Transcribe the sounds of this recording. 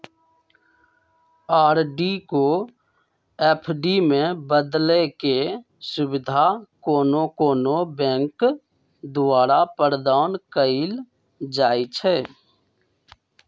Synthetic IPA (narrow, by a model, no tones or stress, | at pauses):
aːɾɖiko | eːpʰɖimẽbəd̪leke | sʊbɪd̪ʱakoːnokoːnobɛ̃ːŋk | d̪ʊʋaːɾapəɾəd̪aːnkəil | d͡ʒaːit͡ʃʰɛː